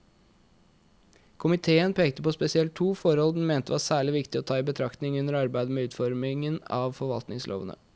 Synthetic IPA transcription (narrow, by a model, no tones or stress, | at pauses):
kʰʊmɪt̪ʰeːənpʰeːkt̪əpɔspɛsɪɛlt̪ʰːuːfɔɾhɔld̪n̩meːnt̪əʋɑːsæːɭɪʋɪkt̪ɪɔt̪ʰɑːiːbət̪ʰɾɑkt̪nɪŋʉnːəɾɑɾbæɪd̪əmeːʉːt̪fɔɾmɪŋənɑ̰ːʋfɔɾʋɑ̰lt̪nɪŋslʔo̰ːʋə̰nə̰